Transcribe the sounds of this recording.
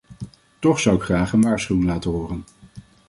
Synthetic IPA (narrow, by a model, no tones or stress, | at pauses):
tɔχsʌwɪkχraːχənʋaːɹsχywɪŋlaːtəɦʊːrən